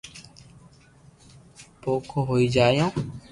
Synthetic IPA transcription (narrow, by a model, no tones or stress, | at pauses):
poːkʰoːɦoːiːd͡ʒaːjõː